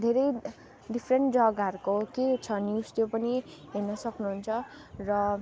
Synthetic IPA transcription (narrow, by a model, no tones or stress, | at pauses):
d̪ʱeɾʌj | ɖipʰreɳʈd͡zʌɡaɾukoket͡sʰʌnjust̪jopʌniɦenʌsʌknuɦunt͡sʰʌ | rʌ